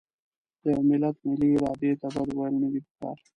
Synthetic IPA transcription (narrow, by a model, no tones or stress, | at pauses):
d̪̥əjmɪlat̪mɪliːɾɑːd̪et̪ad̪ad̪wajəlnəwipəkɑ̰ɾ